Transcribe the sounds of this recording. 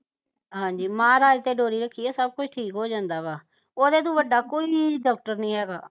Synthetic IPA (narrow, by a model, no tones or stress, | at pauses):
ɦãːɲd͡ʒiːmãːɾaːlt̪eːɖoːɾiːɾəkʰːiːaːsəb̚kʊt͡ʃʰʈʰiːkɦoːd͡ʒãːnd̪aːbaː | oːd̪eːt̪̬ũːʋəɖːaːkoːiːɖɔːk̚ʈəɾnĩːɦɛːɡa̰ː